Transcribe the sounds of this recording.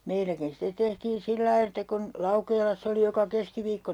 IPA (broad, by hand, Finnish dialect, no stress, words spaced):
meilækin stet tehtiːn silːɑi etːæ kun lɑukeːlɑsːɑ oli jokɑ keskiʋiːkːo